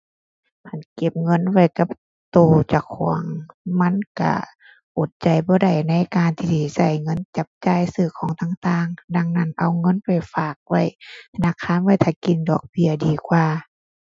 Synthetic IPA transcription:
pʰa˧˩˨nke˧˩p̚ŋɤ˧˥˨nwa˧˩˨jka˧˦p̚ | t̪oː˧t͡ɕa˧˩kʰɔ˧˩˦əŋma˧˥˨nka̰˧˩ | ʔo˧˩t̪̚t͡ɕa˧˩jbɔː˧˦da˧˩jna˧˥˨jkaː˨˧˨nt̪ʰiː˧siː˧˩sa˧˩jŋɤ˧˥˨nt͡ɕa˧˦p̚t͡ɕaː˧˨jsɯː˧˩kʰɔː˨˦ŋt̪ʰaː˧˨ŋt̪aː˧˨ŋda˧ŋna˧˩˨nʔa˧˨˩wŋɤ˧˥˨npa˧˨˩jfaː˧˨˩k̚wa˧˩˨jt̪ʰa˧naː˧˥˨kʰaː˧˥˨nwa˧˨jt̪ʰaː˧˩ki˧˨ndɔː˨˩k̚bi˧˩ɐdiː˧˩kʰwaː˧˨

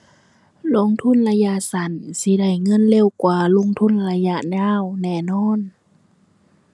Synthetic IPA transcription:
lo˧˥˨ŋt̪ʰu˧˥˨nla˧ja˧ʔsa˨˦nsi˧˦da˧˩jŋɤ˧˥˨nle˧˥˨wkwaː˧˩lo˧˥˨ŋt̪ʰu˧˥˨nla˧ja˧ʔɲaː˧˥˨wnɛː˧˩nɔː˧˥˨n

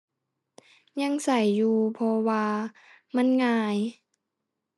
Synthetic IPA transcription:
ɲa˧˥˨ŋsa˨˩jːuː˧pʰɔ˧waː˧ | ma˧˥˨nŋaː˧j

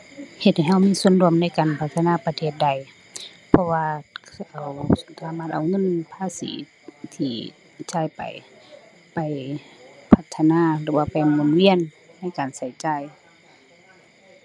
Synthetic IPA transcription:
he˧t̪̚ha˨˩jɦa˧wmiː˧˥˨su˧˥əndu˧˨əmna˧˥˨jkaː˨˩npʰa˧t̪ʰːa˧naː˧˥˨pa˧t̪ʰeː˧˩t̪̚da˨˧˩j | pʰɔ˧waː˧ʔa˨˩wsaː˨˦maː˧˩t̪̚ʔa˨˩wŋɤ˧˥˨npʰaː˧˥˨sḭː˨˦ | t̪ʰiː˧˩ | t͡ɕaː˧˥˨jpa̰˨j | pa˨˩j | pʰa˧t̪ʰːa˧naː˧˨lɯ˧˩waː˧pa˨˩jmo˧˨nwi˧˥˨ənː | a˧˥˨jkaː˨nsa˧˩jt͡ɕaː˧˩j

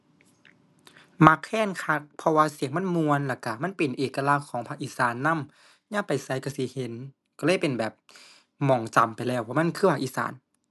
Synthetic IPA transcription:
ma˧˥kʰːɛː˧˥˨nkʰa˧˥k̚pʰɔ˧waː˧si˨˩˦ŋma˧˥˨nmu˧ənla˧˩ka˧˩ma˧˥˨npe˨˩nʔeː˨˩ka˧laː˧˩kʰːɔː˨˦ŋpʰa˧k̚ʔiː˧˩saː˨˦nːa˧˥˨m | ɲaː˧˥˨pa˨jsa˧˦˨jka˧˩si˧˦he˨˦n | kɔ˧˩lɤː˧˥˨jpe˨˩nbɛː˨˩p̚ | mɔː˨˩ŋt͡ɕa˨˩mpa˨jlɛː˧˩wpʰɔ˧ma˧˥˨nkʰɯː˧˩pʰa˧kʔiː˧˨sa̰ː˨˦n

